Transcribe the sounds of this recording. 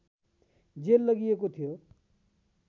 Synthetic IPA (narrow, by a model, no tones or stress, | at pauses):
d͡zelːʌɡijekot̪ʰijo